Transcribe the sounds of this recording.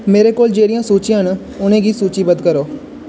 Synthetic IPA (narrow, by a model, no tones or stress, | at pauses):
meːɾeːkoːld͡ʒeːɽɪjãːsuːt͡ʃjãɦən | ʊnẽːɡiːsuːt͡ʃiːbəd̪kəɾoː